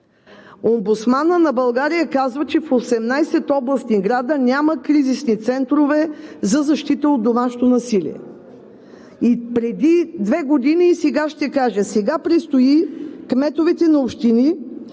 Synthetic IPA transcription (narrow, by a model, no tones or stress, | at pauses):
ombut̪smanənɐbɐlˠɡaɾijəkazvət͡ʃɛfosɛmnajsɛt̪ɔblˠɐst̪iɡɾad̪ənʲaməkɾizisnit̪sɛnt̪ɾovɛzɐzɐʃt̪it̪əod̪d̪omaʃo̥t̪onɐsilḭɛ̰ | ipɾɛd̪id̪vɛɡod̪iniːsɛɡaʃt̪ɛkaʒəsɛɡapɾist̪oikmɛt̪ovɛt̪ɛnɐopʃt̪ini